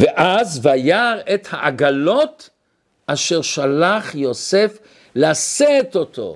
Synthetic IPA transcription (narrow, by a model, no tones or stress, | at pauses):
veʔazvajaʁet̪haʔaɡalo̞t̪ | ʔaʃeʁʃalaχjosef | laset̪ot̪o̰